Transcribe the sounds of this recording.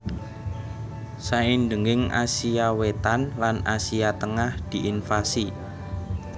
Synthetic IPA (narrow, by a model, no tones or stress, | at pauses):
saind̪əŋɪŋa̰siawet̪anlanasiat̪əŋahd̪̥i̤ʔinfasi